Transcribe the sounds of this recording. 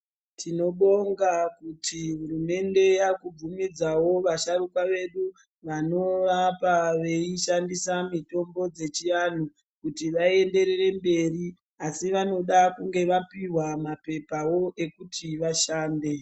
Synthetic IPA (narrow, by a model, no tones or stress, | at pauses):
tʰino̞ɓo̞ŋɡakutʰiɦuɾume̞nde̞jakub͡vumid͡zawo̞ʋaʃaɾukwaʋe̞ɗu | ʋano̞ʋapaʋe̞iʃandisamito̞mbo̞d͡ze̞t͡ʃijan̤u | kutiʋae̞nde̞ɾere̞mbe̞ri | asiʋano̞ɗakuŋɡe̞ʋapiɦwamape̞pawo̞ʔe̞kutʰiʋaʃaːnde̞